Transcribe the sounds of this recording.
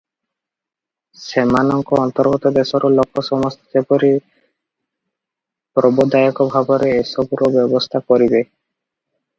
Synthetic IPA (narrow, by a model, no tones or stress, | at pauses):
semanɔŋkɔɔnt̪ɔɾɡɔt̪ɔd̪esɔɾolokʰːɔsɔmɔst̪ʰi̥d͡ʒepoɾi | pɾɔbɔd̪ajɔkɔbʱabɔɾeesɔbuɾobɔbɔst̪ʰakɔɾibe